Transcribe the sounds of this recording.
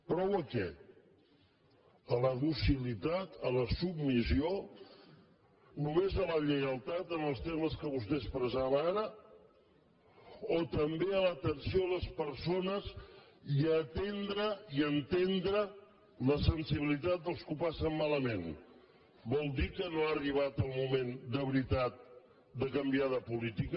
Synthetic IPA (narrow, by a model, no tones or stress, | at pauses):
pɾɔwəkɛ | ələðusilit̪at̪ələsub̚misio | numezələʎəəlˠt̪at̪ənəlˠst̪eməskəβust̪espɾəzaβəaɾə | ot̪əmbeələt̪ənsioləspəɾsonəziət̪end̪ɾəiənt̪end̪ɾə | ləsənsiβilit̪at̪̚d̪əlˠskupasəmmaləmen | bɔlˠd̪ikənoariβ̞at̪əlˠmumend̪əβɾit̪at̪̚ | d̪əkəmbiaðəpulit̪ik